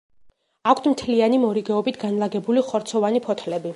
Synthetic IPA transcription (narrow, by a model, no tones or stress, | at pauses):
akʷʰt̪ʰmt̪ʰlianimɔɾiɡɛɔbit̪ʰɡanlˠaɡɛbuliχɔɾt̪sʰɔvanipʰɔt̪ʰlɛbi